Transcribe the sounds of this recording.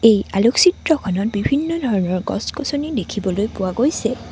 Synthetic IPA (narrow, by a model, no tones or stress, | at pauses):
ejaloksitɹɔkʰɔnɔt̚bibʱinːɔdʱɔɹɔnɔɹɡɔ̰skosonidekʰibɔlojpʊwaɡojsɛ